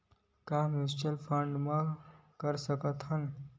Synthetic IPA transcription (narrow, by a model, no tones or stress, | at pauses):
kamɪsʈəlpʰəɳɖmãkəɾsəkət̪ɦən